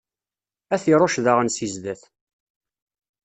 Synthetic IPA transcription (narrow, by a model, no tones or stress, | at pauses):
æθiɾˤoʃðaʁənsizd̪æθ